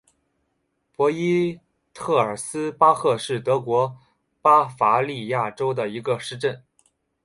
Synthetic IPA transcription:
pwɔ˧˥i˥ | t̪ʰɤ˥˩ə˞˨˩sɹ̩˥pa˥xɤ˥˧ʂɻ̩˥˩t̪ɤ˧˥kwɔ˧˥ | pa˥fa˧˥li˥˧ja˥˩ʈ͡ʂo˥ʊd̪ə˨i˧˥ɡə˧ʂɻ̩˥˧ʈ͡ʂə˥˩n

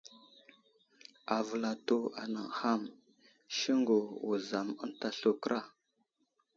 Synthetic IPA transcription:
a˨və˨la˨to˦a̰˨na˨ŋha˦m | ʃi˦ŋɡo˨wu˨za˨mə˦n˦ta˨ɬo˨kɾʔa˦

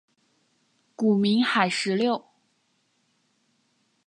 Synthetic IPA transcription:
ku˨˩mi˧˥ŋxa˨˩ɪʂɻ̩˧˥ljo˥˩ʊ

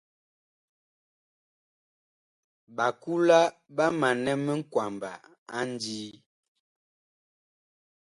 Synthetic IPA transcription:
ba˨ku˦la˦ba˦ma˨nɛ˦mə˦ŋ̩˦kwa˨mba̰˨ | a˦n˦diː˦

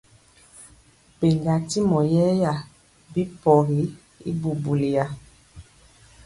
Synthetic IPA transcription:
be˨ŋɡa˨ti˦mɔ˨jɛ˦ja˨ | bi˦pɔ˨ɣi˨˦ | ḭ˦bu˨bu˨li˨ja˨

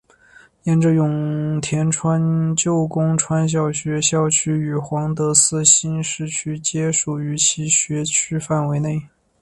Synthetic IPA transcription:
jɛ˥˧nʈ͡ʂɤ˥˧jʊ˨˩ŋt̪ʰjɛ˧˥nʈ͡ʂʰwa˥nt͡ɕjo˥˩ʊkʊ˥ŋʈ͡ʂʰwa˥nɕ̬jɑ˥˩ʊɕɥɛ˧˥ɕjɑ˥˩ʊt͡ɕʰy˥y˨˩xwɑ˧˥ŋt̪ɤ˧˥sɹ̩˥ɕi˥nʂɻ̩˥˩t͡ɕʰy˥t͡ɕjɛ˥ʂu˨˩y˧˥t͡ɕʰi˧˥ɕɥɛ˧˥t͡ɕʰy˥fa˥˩nwe˧˥ɪne˥˩ɪ

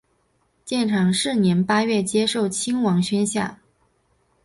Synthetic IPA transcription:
t͡ɕjɛ˥˩nʈ͡ʂʰɑ˨˩ŋʂɻ̩˥˩njɛ˧˥npa˥ɥɛ˥˩t͡ɕjɛ˥ʂo˥˩ʊt͡ɕʰi˥ŋwɑ˧˥ŋɕɥɛ˥nɕja̰˥˩

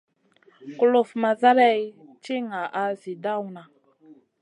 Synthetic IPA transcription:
ku˦lu˨fma˨za˦ɾa˦jt͡ʃi˦ŋa˨ʔa˨zi˨da˦˨wna˨

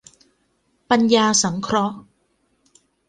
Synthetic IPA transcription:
pa˧njaː˧sa˩˦ŋkʰɾɔ˦˥ʔ

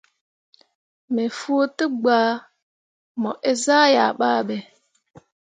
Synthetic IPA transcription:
me˨fu˦tə˦ɡ͡baː˨˦ | mɔ˨ʔe˦za˦ja˨ɓa˦ɓɛ˨

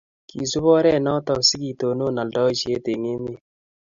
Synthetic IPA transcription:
ki˨sʊ˦bɔ˦ɾɛ˦˨nɔ˦tɔ˨ksi˦ki˨to˨no˦˨na˨ldɔ˦˨ʃe˦te˨ŋe˦mɪ˦

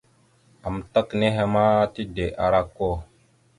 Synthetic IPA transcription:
a˨mta˦kne˦ɦe˦ma˦ti˦de˨ʔa˨ɾa˦kːo˦˨

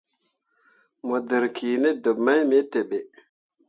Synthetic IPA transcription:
mo˨də˨ɾkʰi˨ne˦do˨bma˦jme˦te˨ɓe˨

